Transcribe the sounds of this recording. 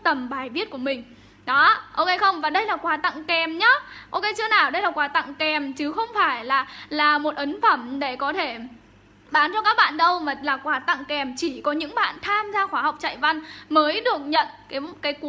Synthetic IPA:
t̪ə˨˩mɓaː˨˩jvi˦˥ət̚ku˧˩əmï˨˩ŋ̟ | ɗɔ˨˦ʔo˧ke˧˦jxə˧wŋ͡mvaː˨˩ɗə˧jlaː˨˩kwaː˨˦t̪a̰˧˨ŋkɛ˨˩mɲaː˨˦ʔo˧wke˨˧˦jt͡ɕɨ˧ənaː˨˩wɗə˧jlaː˨˩kwaː˨˦t̪a̰˧˨ŋkɛ˨˩mt͡ɕɨ˨˦xə˧wŋ͡mfaː˧˩jlaː˨˩laː˨˩mo˨˩t̚ʔə˨˦nfə˧˩mɗe˧˩kɔ˨˦t̪ʰe˧˩ | ɓaː˨˦nt͡ɕɔ˧kaː˦˥k̚ɓa̰ː˧˨nɗə˧wmaː˨˩laː˨˩kwaː˨˩t̪a̰˧˨ŋkɛ˨˩mt͡ɕi˧˩kɔ˨˦ɲɨ̰˧˥ŋɓa̰ː˧˨nt̪ʰaː˧mzaː˧xwaː˨˦ɦa˨˩wk͡p̚t͡ɕa̰ː˧˨jva˧nməː˨˦jɗɨ˨˩ək̚ɲə̰˧˨nkaː˨˦kaː˨˦jku˨˦

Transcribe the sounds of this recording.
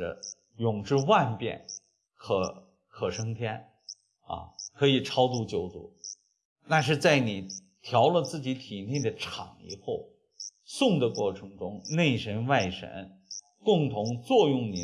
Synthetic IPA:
ə̰˧˩ | jʊ˨˩ŋʈ͡ʂɻ̩˥˧wa˥˧npjɛ̰˥˩n | kʰɤ˧˥ | kʰɤ˨˩ʂɤ˥ŋt̪ʰjɛ˥n | ɐ̰˧˩kʰɤ˧˥i˨˩ʈ͡ʂʰɑ˥ʊt͡su˥˩t͡ɕjo˧˥ʊt͡sṵ˨˩˦ | na˥˧ʂ̬ɻ̩˥˧t͡sa˥˩ɪni˨˩ | t̪ʰjɑ˧˥ʊlə˧t͡sɹ̩˥˩t͡ɕi˧˥t̪ʰi˨˩ni˥˩d̪ə˩ʈ͡ʂʰɑ̰˨˩˦ŋḭ˨˩xo˥˩ʊ | sʊ˥˩ŋd̪ə˩kwɔ˥˩ʈ͡ʂʰɤ˧˥ŋʈ͡ʂʊ˥ŋne˥˩ɪʂə˧˥nwa˥˩ɪʂə̰˧˥n | kʊ˥˩ŋt̪ʰʊ˧˥ŋt͡swɔ˥˧jʊ˥˩ŋni˨˩

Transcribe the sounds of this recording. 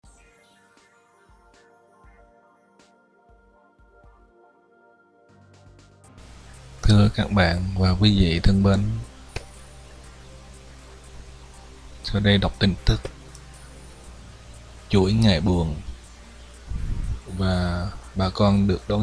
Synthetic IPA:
t̪ʰɨ˧əkaː˦˥k̚ɓa̰ː˧˨nvaː˨˩kwi˨˦vḭ˧˨t̪ʰɨ˧əŋɓə˧n | sa˧wɗə˧jɗa˨˩wk͡p̚t̪ï˧˩ŋ̟t̪ɨ˦˥k̚ | t͡ɕṵ˧˩əjŋa̰ː˧˩jɓu˨˩ən | vaː˨˩ɓaː˨˩kɔ˧nɗɨ˨˩ək̚ɗo˨˧˦

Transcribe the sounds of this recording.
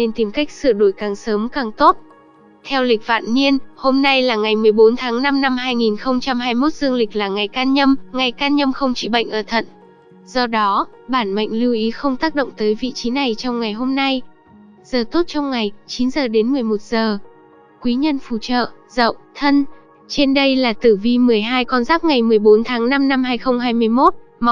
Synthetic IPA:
ne˧nt̪i˧˩mka˦˥k̟̚sɨ̰˧˨əɗo˧˩jkaː˨˩ŋsəː˨˦mkaː˨˩ŋt̪o˦˥t̚ | t̪ʰɛ˧wlï˨˩k̟̚va̰ː˧˨nɲi˧ənho˧mna˧jlaː˨˩ŋa˨˩jmɨ˨˩əjɓo˨˦nt̪ʰaː˨˦ŋna˧mna˧mhaː˧jŋi˨˩nxə˧wŋ͡mt͡ɕa˧mhaː˧jmo˦˥t̚z̥ɨ˧əŋlï˨˩k̟̚laː˨˩ŋa˨˩jkaː˧nɲə˧mŋa˨˩jkaː˧nɲə˧mxə˧wŋ͡mt͡ɕḭ˧˩ɓa̰˧˨jŋ̟ʔəː˧˩t̪ʰə̰˧˨n | z̥ɔ˧ɗɔ˨˦ɓaː˧˩nmə̰˧˨ŋ̟li˧wʔi˨˦xə˧wŋ͡mt̪aː˦˥k̚ɗo̰˧˨wŋ͡mt̪əː˨˦jvḭ˧˨t͡ɕi˨˦na˨˩jt͡ɕɔ˧wŋ͡mŋa˨˩jɦo˧mna˧j | z̥əː˨˩t̪o˦˥t̚t͡ɕɔ˧wŋ͡mŋa˨˩jt͡ɕi˨˦nzəː˨˩ɗe˨˦nmɨ˨˩əjmo˨˩t̚z̥əː˨˩ | kwi˨˦ɲə˧nfṵ˧˩t͡ɕə̰ː˧˨zə̰˧˨wt̪ʰə˧n | t͡ɕe˧nɗə˧jlaː˨˩t̪ɨ˧˩vi˧mɨ˨˩əjɦaː˧jkɔ˧nzaː˦˥p̚ŋa˨˩jmɨ˨˩əjɓo˨˦nt̪ʰaː˨˦ŋna˧mna˧mɦaː˧jxə˧wŋ͡mɦaː˧jmɨ˧əjmo˦˥t̚ | m˨˦

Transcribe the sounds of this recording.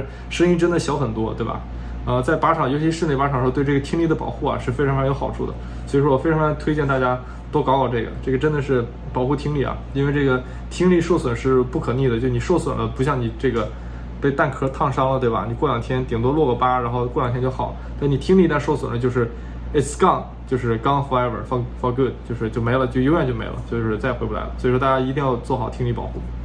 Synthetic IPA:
ʂɤ˥ŋi˥nʈ͡ʂə˥nd̪ə˨˩ɕjɑ˧˥ʊxə˨˩nt̪wɔ˥t̪we˥˩ɪbɐ̰˩ | ə˧t͡sa˥˩ɪpa˧˥ʈ͡ʂʰɑ˨˩ŋjo˧˥t͡ɕʰi˧˥ʂɻ̩˥˧nli˥˩pa˧˥ʈ͡ʂʰɑ˨˩ŋʂt̪we˥˧ɪʈ͡ʂɤ˥˩ɡə˩t̪ʰi˥ŋli˥˩d̪ə˦pɑ̰˨˩ʊxu˥˩ɐ̰˩ʂɻ̩˥˩fɪʈ͡ʂʰɑ˧˥ŋfɑ˧˥jo˧˥ʊxɑ˨˩ʊʈ͡ʂʰu˥˩d̪ə̰˩ | swo˧˥˧ʂwɔ˥wɔ˨˩fɪɑ˧˥ŋft̪ʰwe˥ɪt͡ɕɛ˥˧nt̪a˥˩t͡ɕja˥ | t̪o˥ʊkɑ˧˥ɑ˨˩ʊʈ͡ʂɤ˥˩ɡə̰˩ʈ͡ʂɤ˥˩ɡə˩ʈ͡ʂə˥nd̪ə˨ʂɻ̩˥˩ | pɑ˨˩xu˥˩t̪ʰi˥ŋli˥˩ɐ̰˨˩i˥nwe˥˧ʈ͡ʂɤ˥˩ɡə˩ | t̪ʰi˥ŋli˥˧ʂo˥˩ʊswə˨˩nʂɻ̩˥˧pu˥˩kʰɤ˨˩ni˥˩d̪ə˩t͡ɕjo˥˧˩ni˨˩ʂo˥˩ʊswə̰˨˩nlə˦pu˧˥ɕjɑ˥˩ŋni˨˩ʈ͡ʂɤ˥˩ɡə˩ | pe˥˧ɪt̪a˥˩nkʰɤ˥t̪ʰɑ˥˩ŋʂɑ˥ŋlə˨t̪we˥˩ɪba̰˩ni˨˩kwljɑ˨˩ŋt̪ʰjɛ˥nt̪i˨˩ŋt̪wɔ˥lwɔ˥˩ɡə˨˩pa˥ɻa˧˥nxo˥˧ʊkwjɑ˨˩ŋt̪ʰjɛ˥t͡ɕo˥˩xɑ˨˩˦t̪a˥˩n˩ni˨˩t̪ʰi˥ŋli˥˧t̪a˥˧nʂo˥˧ʊswə˨˩nlə˦t͡ɕjo˥˧ʊʂɻ̩˥˩ | e˥˩skɑ˥˩ŋ | t͡ɕjo˥˧ʊʂɻ̩˥˩kɑ˥ŋxa˥və̰˞˨˩fɑ˥fɑ˥ku˥˩tt͡ɕjo˥˧ʊʂɻ̩˥˧t͡ɕjo˥˩ʊme˧˥ɪlə˧t͡ɕjʊjo˥ʊjɛ˥˧nt͡ɕo˥˩ʊmḛ˧˥ɪlə̰˧˦t͡ɕjo˥˧ʊʂɻ̩˥˧t͡sa˥˩ɪxe˧˥pu˥˩la̰˧˥ɪə˦swʂwɔ˥t̪a˥˩t͡ɕja˥i˧˥t̪i˥˧ŋjɑ˥˧ʊt͡swɔ˥˩xɑ˨˩ʊt̪ʰi˥ŋli˥˩pɑ˨˩xu˥˩

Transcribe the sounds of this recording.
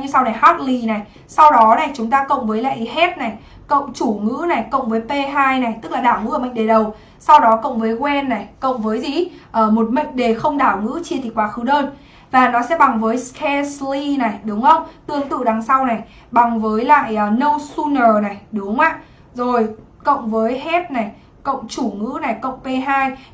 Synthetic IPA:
ɲɨ˧sa˧wna˨˩jhɔ˦˥t̚li˧na˨˩j | sa˧wɗɔ˨˦na˨˩jt͡ɕʊ˨˦ŋ͡mt̪aː˧kə̰˧˨wŋ͡mvəː˨˦jla̰ː˧˨ʔi˨˦ɦe˦˥t̚na˨˩j | kə̰˧˨wŋ͡mt͡ɕu˧˩ŋɨ̰˧˥na˨˩jkə̰˧˨wŋ͡mvəː˨˦jpe˧ɦaː˧jna˨˩jt̪ɨ˦˥k̚laː˨˩ɗaː˧˩wŋ͡mŋɨ̰˧˥əː˧˩ɓə̰˧˨ŋ̟ɗe˨˩ɗə˨˩w | sa˧wɗɔ˨˦kə̰˧˨wŋ͡mvəː˨˦jɣwɛ˧nːa˨˩jkə̰˧˨wŋ͡mvəː˨˦jzi˨˩ʔəː˧˩mo˨˩t̚mə̰˧˨ŋ̟ɗe˨˩xə˧wŋ͡mɗaː˧˩wŋɨ̰˧˥t͡ɕi˧˩t̪ʰi˨˩kwaː˨˦xɨ˨˦ɗəː˧n | vaː˨˩nɔ˨˦sɛ̰˧˥ɓa˨˩ŋvəː˨˦jskʰɛ˧sli˧na˨˩jɗʊ˨˦ŋ͡mxə˧wŋ͡mt̪ɨ˧əŋt̪ɨ̰˧˨ɗa˨˩ŋsa˧wna˨˩j | ɓa˨˩ŋvəː˨˦jla̰ː˧˨jʔːnə˧wsu˧nəː˨˩na˨˩jɗʊ˨˦ŋ͡maː˧˨ | zo˨˩j | kə̰˧˨wŋ͡mvəː˨˦jɦɛ˦˥t̚na˨˩j | kə̰˧˨wŋ͡mt͡ɕu˧˩ŋɨ̰˧˥na˨˩jkə̰˧˨wŋ͡mpe˧ɦaː˧j

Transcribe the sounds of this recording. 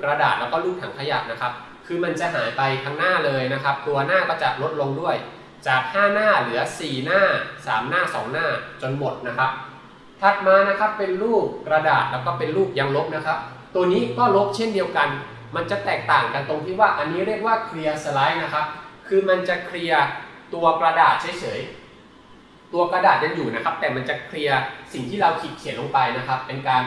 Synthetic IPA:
kɾa˧da̰ː˨˩t̪̚lɛː˦˥wkɔː˥˩luː˥˩p̚t̪ʰaː˨˩ŋkʰa˧ja̰˨˩k̚na˦˥kʰa˦˥p̚ | kʰɯː˧ma˧nt͡ɕa˨˩ʔɦa̰ː˩˦jpa˧jt̪ʰa˦˥ŋnaː˥˩lɤː˧jna˦˥kʰa˦˥p̚t̪u˧ɐnaː˥˩kɔː˥˩t͡ɕa˨˩lo˦˥t̪̚lo˧ŋdu˥˩əj | t͡ɕaː˨˩k̚haː˥˩naː˥˩lɯ˩˦ɐsiː˨˩naː˥˩saː˩˦mnaː˥˩sɔː˩˦ŋnaː˥˩t͡ɕo˧nmo˨˩t̪̚na˦˥kʰa˦˥p̚ | t̪ʰa˨˩t̪̚maː˧na˦˥kʰa˦˥pːe˧nluː˥˩k̚kɾa˧daː˨˩t̪̚lɛː˦˥wkɔː˥˩pe˧nluː˥˩k̚ja˧ŋlo˦˥p̚na˦˥kʰa˦˥p̚ | t̪u˧ɐəniː˦˥kɔː˥˩lo˦˥p̚t͡ɕʰe˥˩ndi˧əwka˧n | ma˧nt͡ɕa˨˩t̪ɛː˨˩k̚t̪aː˨˩ŋka˧nt̪o˧ŋt̪ʰiː˥˩waː˥˩ʔa˧nːiː˦˥ɾi˥˩ək̚waː˥˩kʰɾi˧ɐsə˧la˦˥jna˦˥kʰa˦˥p̚kʰɯː˧ma˧nt͡ɕa˨˩kʰɾi˧ɐt̪u˧ɐkɾa˧daː˨˩t̪̚t͡ɕʰa˦˥jt͡ɕʰɤː˩˦j | t̪u˧ɐkɾa˧daː˨˩t̪̚ja˧ŋjuː˨˩na˦˥kʰa˦˥p̚t̪ɛː˨˩ma˧nt͡ɕa˨˩kʰɾi˧ɐsi˨˩ŋt̪ʰiː˥˩ɾa˧wkʰi˨˩t̪̚kʰi˨˩˦nʔlo˧ŋpa˧jna˦˥kʰa˦˥pːe˧nkaː˧n

